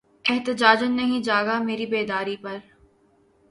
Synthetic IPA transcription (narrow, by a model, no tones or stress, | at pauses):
ɛɦt̪əd͡ʒaːd͡ʒənːɐɦĩd͡ʒaːɡameːɾibeːd̪aːɾipɐɾ